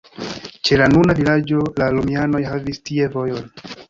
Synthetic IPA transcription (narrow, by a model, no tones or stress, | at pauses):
t͡ʃe̞lanunavilad͡ʒo̞lalumiano̞jhavistie̞vo̞jo̞n